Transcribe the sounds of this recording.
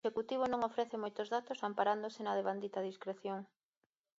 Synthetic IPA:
ʃekut̪iβ̞onõŋofɾɛθemojt̪ozðat̪osampaɾand̪osɪnaðeβand̪it̪ɐðiskɾeθjoŋ

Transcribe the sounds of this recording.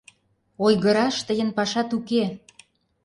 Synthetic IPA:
ojɣə̆ɾɑʃt̪əjənpɑʃɑt̪uke

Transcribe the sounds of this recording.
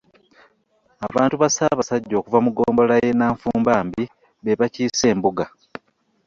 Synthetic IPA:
aβaːntuβasaβasaɟːo̞ːkuvamuɡo̞ːmbo̞laje̞naːɱfuːmbaːmbi | βeβaciːse̞ːmbuɡa

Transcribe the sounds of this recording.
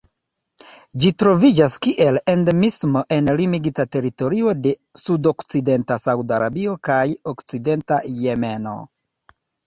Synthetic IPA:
d͡ʒitɾo̞vid͡ʒaskiʔe̞lendemismo̞ʔe̞nlimiɡitate̞ɾito̞ɾio̞de̞sudo̞kt͡side̞ntasawdaɾabio̞kajokt͡side̞ntaje̞me̞no̞̰

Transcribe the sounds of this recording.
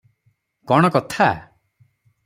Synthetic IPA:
kɔɽ̃ɔkɔt̪ʰa

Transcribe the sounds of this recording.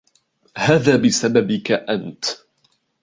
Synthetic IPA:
haːðaːbɪsababɪkaʔant̪

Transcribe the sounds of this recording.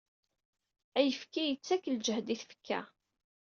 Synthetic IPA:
æjəfkijət͡sːækːld͡ʒəhd̪iθfə̥kːæ̰

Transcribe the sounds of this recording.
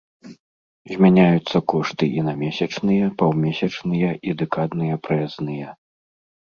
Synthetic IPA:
zʲmʲanʲajut̪sːɐkɔʂt̪ɨʔinɐmʲɛsʲɐt͡ʂnɨjɐpawmʲɛsʲɐt͡ʂnɨjɐʔid̪ɛkad̪nɨjɐpɾɛznɨjɛ

